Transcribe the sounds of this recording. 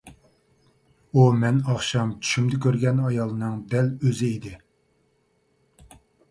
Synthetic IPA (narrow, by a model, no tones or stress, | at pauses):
umɛnɑχʃɑmt͡ʃʰy̥ʃymd̪ɪkʲʰøɾɡʲɛnɑjɑlˠɨnɨŋd̪ɛløzɪid̪ɪ